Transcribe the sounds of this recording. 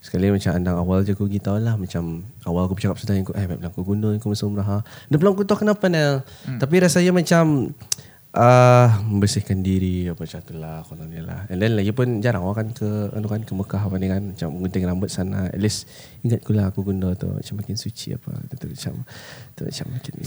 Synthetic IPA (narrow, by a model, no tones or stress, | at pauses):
sə̥kalimat͡ʃamandaŋawald͡ʒakuɡit̪aunlahmat͡ʃamawalakubt͡ʃakap̚sudaɦiŋkuʔahmap̚laŋkuɡunɔŋkumasməɾaɦadəplaŋk̬ut̪ɔkənapanalt̪ap̬iɾasajamat͡ʃam | ʔəməmbərsɪhkandiɾiapət͡ʃat̪ulahkolaniala̰hɛndɛnlajəpʊnd͡ʒaɾaŋwakankəa̰nukankəbəkaɦapaneŋanmat͡ʃamːəŋɡunt̪aŋɾambət̪̚sanaɛ̰t̪̚lɛs | iŋat̪̚kulaɦakuɡundot̪ṵma̰t͡ʃamːakɪnsut͡ʃḭa̰pa̰t̪ut̪uat͡ʃa̰mt̪uma̰t͡ʃa̰mːakɪn